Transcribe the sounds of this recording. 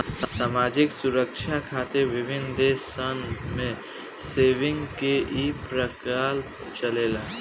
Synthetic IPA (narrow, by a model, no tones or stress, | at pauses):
saːmaːd͡ʒɪksʊɾəkt͡ʃʰakʰaːt̪eʋɪbʱɪnd̪eːsənmẽ | seːʋɪ̃ŋɡkeʔipɾəkaːl | t͡ʃəleːla